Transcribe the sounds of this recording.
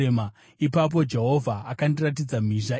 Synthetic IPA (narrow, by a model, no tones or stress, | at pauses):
ma | ipap̬o̞d͡ʒe̞ɦo̞vʱaakandirat̬id͡zam̤iʐa